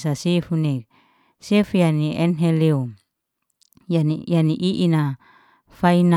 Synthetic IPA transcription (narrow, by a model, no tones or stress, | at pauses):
sasefunek̚ | sefujaniɛnɦɛleu | janjaniʔiʔina | faina